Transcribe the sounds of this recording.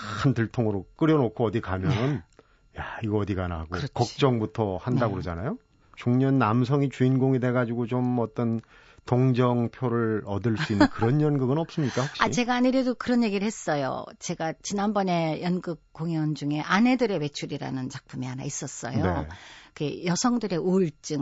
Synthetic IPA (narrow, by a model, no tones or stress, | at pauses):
ɯntɯɭtʰoŋɯɾok͈ɯɾjʌnokʰoʌdikamjʌnɯn | jaiɡʌʌdiɡanaɦaɡokʌkk̚t͡ɕ͈ʌŋbutʰʌhandaɡoɾod͡ʑanajo | t͡ɕuŋɲʌnːamsʰʌŋit͡ɕuinɡoŋide̞ɡad͡ʑiɡot͡ɕomʌt͈ʌn | toŋd͡ʑʌŋpʰjoɾɯɭʌdɯɭs͈uinːɯnkɯɾʌnjʌnɡɯɡɯnʌp̚s͈ɯmɲik͈ahoɕait͡ɕe̞ɡaːɲiɾjʌdokɯɾʌnje̞ɡiɾɯɭhe̞s͈ʌjo̰t͡ɕe̞ɡat͡ɕinanbʌne̞jʌnɡɯk̚k͈oŋjʌnd͡ʑuŋe̞ʔane̞dɯɾe̞we̞t͡ɕʰuɾiɾa̰nɯnt͡ɕak̚pʰumiɦana̰is͈ʌs͈ʌ̰jnoekejʌsʰʌŋdɯɾe̞uɭt͡ɕ͈ɯ